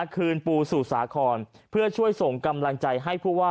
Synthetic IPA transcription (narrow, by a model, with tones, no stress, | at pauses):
kʰɯː˧npuː˧suː˨˩sa̰ː˩˦kʰɔː˧n | pʰɯ˥˩ɐt͡ɕʰu˥˩əjso˨˩ŋka˧mla˧ŋt͡ɕa˧jɦa˥˩jpʰuː˥˩waː˥˩